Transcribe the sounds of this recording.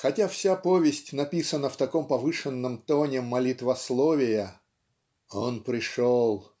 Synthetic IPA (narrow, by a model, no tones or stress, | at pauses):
xɐtʲafsʲapovʲɪsʲtʲnɐpʲisənəft̪ɐkompɐvɨʂɨnːəmt̪onʲɪmːɐlʲit̪vɐslˠovʲɪjə | onpɾʲɪʂolˠ